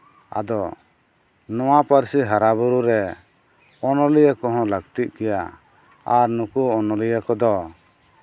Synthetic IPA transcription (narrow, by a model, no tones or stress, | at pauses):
a̰d̪ɔ | nɔwapaɾsiɦaɾaβuɾuɾɛ | ɔnɔlijakɔɦɔ̃ləɡt̪it̪̚kɛja | aɾnukuɔnɔlijakɔd̪ɔ